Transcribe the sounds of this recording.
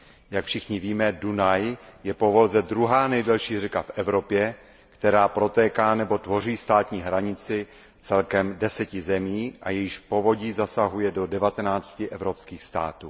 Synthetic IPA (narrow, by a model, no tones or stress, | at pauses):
jakfʃɪxɲɪviːmɛdunajjɛpovo̞lzɛd̪ɾuɦaːnɛjdɛlʃiːrɛkafʔɛvɾo̞pjɛ | kt̪ɛɾaːpɾo̞t̪ɛːkaːnɛbo̞t̪vo̞riːst̪aːt̪ɲiːɦɾaɲɪt͡sɪ | t͡sɛlkɛmdɛsɛcɪzɛmiːʔa̰jɛjɪʃpo̞vo̞ɟiːzasaɦujɛdo̞dɛvat̪ɛnaːt͡scɪʔɛvɾopskiːxst̪a̰ːt̪uː